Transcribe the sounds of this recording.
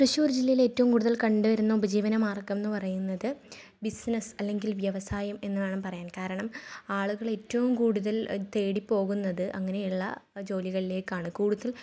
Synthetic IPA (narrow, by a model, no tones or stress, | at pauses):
prɐɕuːrd͡ʑilːɐjile̞ːtːɐʋumkuːɽuðɐlkɐɳɖuʋɐɾunːɐubɐd͡ʑiːʋɐnɐmaːrkɐmenːɨpɐrɐjunːɐðɨ | bisnɐsɐlːe̞ŋɡilʋjɐʋɐsaːjɐme̞nːɐðaːɳɨpɐrɐjaːnkaːɾɐɳɐmaːɭuɣɐɭe̞ːtːɐʋumkuːɽuðɐlt̪e̞ːɽipːo̞ːɣunːɐðɨʔɐŋːɐne̞juɭːɐ̰d͡ʑo̞ːliɣɐɭile̞ːkːaːɳɨkuːɽuðɐl